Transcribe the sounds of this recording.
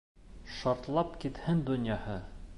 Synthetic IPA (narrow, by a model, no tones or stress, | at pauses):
ʃɑɾt̪lˠɑpkit̪hɘnd̪ŏnjɑhɤ